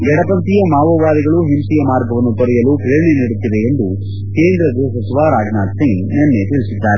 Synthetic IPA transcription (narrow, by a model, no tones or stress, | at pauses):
ɡɛɽɐpɐnt̪ijɐmaːʋɐʋaːɾiɡɐɭuɦimsijɐmaːɾɡɐʋɐnːut̪ɔɾɛjɐluːpɾeːɳeniːɽut̪ːideːnd̪u | keːnd̪ɾɐd̪eːsɐt͡ʃiʋaːɾaːd͡ʒnaːd̪siŋnɛnːet̪iɭisid̪ːaːɾe